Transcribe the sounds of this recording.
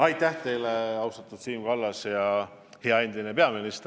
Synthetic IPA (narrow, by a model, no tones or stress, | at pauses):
ɑjt̪ːˑæht̪e̞jleɑwsɑt̪ːud̪̥siːmɡ̥ɑlːɑsjɑ | he̞ɑe̞nd̪̥inepeɑminist̪